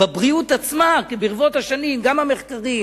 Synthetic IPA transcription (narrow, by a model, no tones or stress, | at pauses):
babʁiutat͡smakebiʁvo̞thaʃanimɡamhameχkaʁim